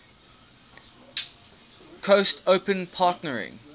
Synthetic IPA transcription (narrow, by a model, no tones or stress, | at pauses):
kʰostʰəʊpə̃npʰɑːˑtnəɹɪ̰̃